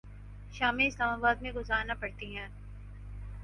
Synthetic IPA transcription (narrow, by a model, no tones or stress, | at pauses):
ʃaːmeɪslaːmaːbaːd̪mẽɡʊzaːɾnapɐɽt̪iɦɛ̃ː